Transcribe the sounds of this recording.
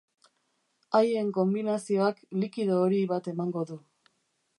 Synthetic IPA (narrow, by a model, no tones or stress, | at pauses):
aje̞ŋko̞mbinasio̞aklikiðoːɾiβat̪e̞maŋɡo̞ðu